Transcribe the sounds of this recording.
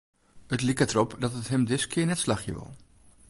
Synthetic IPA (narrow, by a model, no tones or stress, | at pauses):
ətlikətrɔpdɑtətɦəmdɪtskʰɪːnɛtslɑχjə̰ʋɪ̰lˠ